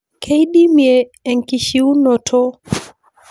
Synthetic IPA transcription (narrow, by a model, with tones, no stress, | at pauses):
kʰe˦i˦ɗi˦mjeː˨ŋki˨ʃi˦u˦no˨tʰo˦